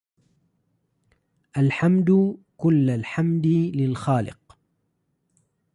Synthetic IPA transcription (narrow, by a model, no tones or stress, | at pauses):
ʔalħamd̪ʊkʊlːalħamd̪ɪlɪlxaːlɪ̰q